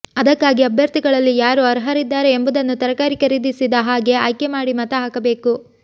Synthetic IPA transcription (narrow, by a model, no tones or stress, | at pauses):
ɐd̪ɐkːaːɡiɐbʱjɐɾt̪iɡɐɭɐlːijaːɾuɐɾɐɦɐɾid̪ːaːɾe̞ːmbud̪ɐnːut̪ɐɾɐkaːɾikɐɾid̪isid̪ɐɦaːɡe̞aːjkemaːɽimɐt̪ɐɦaːkɐbe̞ːku